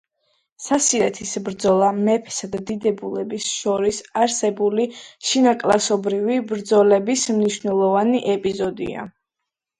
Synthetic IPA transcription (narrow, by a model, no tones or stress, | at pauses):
sasiɾɛt̪ʰisbɾd̪zɔlˠamɛpʰsad̪ad̪id̪ɛbulɛbisʃɔɾisaɾsɛbuliʃinakʼlasɔbɾivibɾd̪zɔlɛbismniʃvnɛlˠɔvaniʔɛpʼizɔd̪ḭa̰